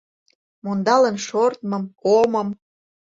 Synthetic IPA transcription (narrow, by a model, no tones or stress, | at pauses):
mond̪ɑlənʃort̪mɤ̆mkoməm